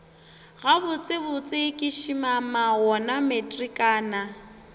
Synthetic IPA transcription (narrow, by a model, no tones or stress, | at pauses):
ɣabʊt͡sʼɪbʊt͡sʼɪkʼɪʃimamaɣɔnametʼrikʼaːna